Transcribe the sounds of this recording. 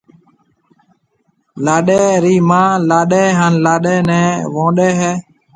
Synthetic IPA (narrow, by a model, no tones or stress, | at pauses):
laːɗeːɾiːmãːlaːɗeːɦaːnlaːɗeːnɛ̃ːʋõːɗeːɦɛː